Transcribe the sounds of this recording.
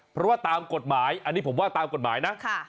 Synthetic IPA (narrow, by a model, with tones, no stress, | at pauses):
pʰɾɔ˦˥waː˥˩t̪aː˧mko˨˩t̪̚maː˩˦jʔa˧nːiː˦˥pʰo˩˦mwaː˥˩t̪aː˧mko˨˩t̪̚maː˩˦jna˦˥ʔkʰa˥˩